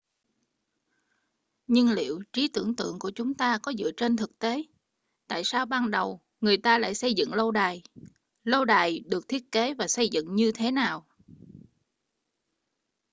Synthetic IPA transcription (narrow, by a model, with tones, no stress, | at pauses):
ɲɨ˧ŋlḭ˧˨əwt͡ɕi˨˦t̪ɨ˧˩əŋt̪ɨ̰˧˨əŋku˧˩ət͡ɕʊ˨˦ŋ͡mt̪aː˧kɔ˨˦zɨ̰˧˨ət͡ɕe˧nt̪ʰɨ˨˩k̚t̪e˨˦ | t̪a̰ː˧˨jsaː˧wɓaː˧nɗə˨˩w | ŋɨ˨˩əjt̪aː˧la̰ː˧˨jsə˧jzɨ̰˧˨ŋlə˧wɗaː˨˩j | lə˧wɗaː˨˩jɗɨ˨˩ək̚t̪ʰi˦˥ət̚ke˨˦vaː˨˩sə˧jzɨ̰˧˨ŋɲɨ˧t̪ʰe˨˦naː˨˩w